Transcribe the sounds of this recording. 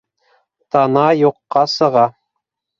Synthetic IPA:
t̪ɑnɑjuqːɑsɤ̆ʁɑ

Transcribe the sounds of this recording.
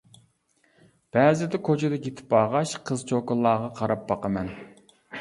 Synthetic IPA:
b̥ɛːzɪd̪ɛkʰot͡ʃʰed̪ɛkʲet̪ʰɪ̥pɑːʁɑʃqʰəzt͡ʃʰokʊlˠːɑːʁɑqʰɑɾɑp̚bɑqɑmɛn

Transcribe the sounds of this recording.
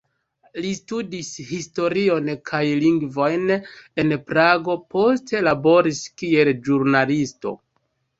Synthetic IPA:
listudishisto̞ɾio̞nkʰajliŋɡvo̞jne̞npɾaɡo̞po̞ste̞labo̞ɾiskie̞lʒuɾnalisto̞̰

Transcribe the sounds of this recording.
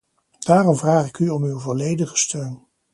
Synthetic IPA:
d̥aːrɔmvraːχɪkyɔmywvɔlejdəχə̥støɥn

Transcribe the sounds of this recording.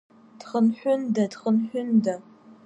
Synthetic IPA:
d̥χənħʷʊndɐdχənħʷᶣʊnda

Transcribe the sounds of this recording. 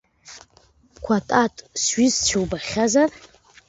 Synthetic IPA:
kʷʰatʼatʼsɥɪzt͡ʃʰewbaχʲazar

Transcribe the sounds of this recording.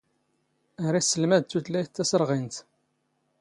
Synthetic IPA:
əɾisːəlmæd̪t̪ːutlæjt̪ːæsəɾˤʁint̪

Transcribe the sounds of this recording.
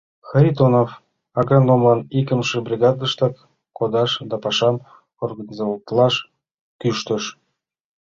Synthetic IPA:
xəɾʲit̪onof | ɑɡɾɑnd̪omlɑnikə̆mʃebrʲiɣɑd̪ə̆ʃt̪ɑkː | od̪ɑʃd̪ɑpɑʃɑm | orɡɑnʲizoɑlt̪lɑʃ | kyʃt̪ə̆ʃ

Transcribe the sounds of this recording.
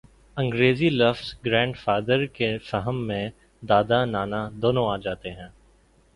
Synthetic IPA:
ɐ̃ŋɡɾeːzilɐfsɡɾɛ̃ːɳɖfaːd̪əɾkefɛɦəmːẽ | d̪aːd̪anaːnad̪oːnõaːd͡ʒaːt̪eɦɛ̃ː

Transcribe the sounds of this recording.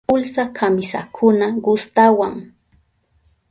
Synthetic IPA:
ʊlsakʰamɪsa̰kʰʊnaɢʊst̪awaŋ

